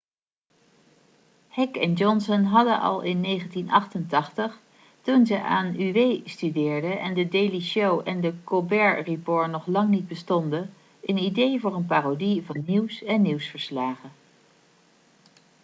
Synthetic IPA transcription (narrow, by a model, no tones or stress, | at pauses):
hɛkɛnd͡ʒɔnsənɦɑdənʔɑ̰lˠɪnːejχəntinɑ̰χtəntɑχtəχ | tunzəʔa̰ːnyʋejstydɪːɹdəɛndədejliʃowʔɛndəkobɛɹripoːɹnɔχlɑŋnid̚bəstɔndə | ʔənidejvʊːɹənpaːrodivɑnːiwsɛnːiwsfəɹslaːχə